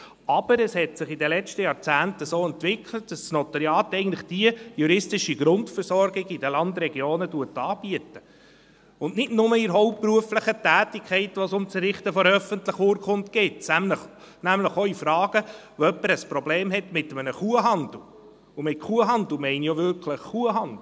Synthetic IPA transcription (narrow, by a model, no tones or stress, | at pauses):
ɑb̥əɾɛshɛtsɪχidəlɛt͡ʃtəjɑːɾt͡sæːntəsoːɛntʋɪkʰlət̚d̥ɑsːnɔt̪ɑɾjɑːtɛɪɡən̩tlɪχd̥iəjuɾɪstɪʃiɡɾʊntfəɾsɔɾɡɪɡidəlɑnd̪ɾɛɡjoːnətuətɑːb̥iətə | ʊnnɪdnʊməiɾɦɔʊppːruəfləχətæːtikʰɛɪtʋɔsʊmt͡səɾɪχtəfɔɾœfəntləχʊːɾkχʊntɡ̥ɪtsmə | næmləχoifɾɑːɡ̥ə | oœpːəɾəspɾɔbleːmɦɛtmɪtəmənəχuəɦɑndl̩ | ʊmɪt̚kʰuəɦɑndl̩mɛɪnjoʋʏɾkʰləχːuəɦɑndl